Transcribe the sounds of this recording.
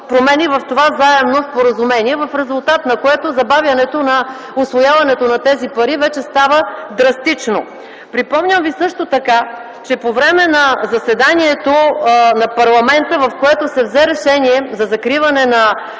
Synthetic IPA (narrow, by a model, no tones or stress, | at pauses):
pɾomɛnivɐft̪ovazaɛmnospoɾəzumɛnʲiɛvɐfɾɛzʊlˠt̪at̪nɐkoɛt̪ozɐbavjɐnɛt̪onɐ | ʊsvojavɐnɛt̪onɐt̪ɛzipɐɾivɛt͡ʃɛst̪avəd̪ɾɐst̪it͡ʃno | pɾipɔmɲʲəmvisɤʃt̪ot̪ɐka | t͡ʃɛpovɾɛmɛnɐzɐsɛd̪aniɛt̪onɐpɐɾlˠɐmɛnt̪əvɐfkoɛt̪osɛvzɛɾɛʃɛniɛzɐzɐkɾivɐnɛnɐ